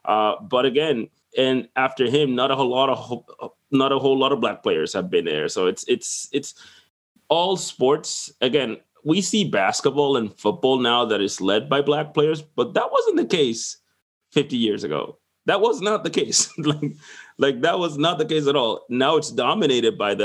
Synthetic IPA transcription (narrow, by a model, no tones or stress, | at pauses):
ʔʌb̥ʌɾɨɡɛ̃n | ɨ̃næftə˞ɪ̃mnəɾəlɔɾʌ | nəɾəɦoʊlɔɾʌvblæk̚pʰl̥eɪə̰˞z̥ɨvbɨ̃nðə̰˞soʊɨtsɪtsɨts | ɔlˠspɔɹtsɨɡɛ̃n | wisibæskət̚b̥ɔlˠə̃nfʊt̚b̥ɔlˠnaʊðɨɾɨzlɛd̚baɪblæk̚pʰl̥eɪə˞zb̥ʌt̪̚ðət̚wʌzɨ̃n̩ðɨkeɪs | fɪftijɪɹzɨɡo̰ʊ | ðət̚wʌznət̪̚ðɨkʰeɪslaɪk̚laɪk̚ðət̚wʌznət̪̚ðɨkeɪs̬ɨɾɔlˠnaʊɨtsd̥ɑmɨneɪɾɨd̚baɪðɨ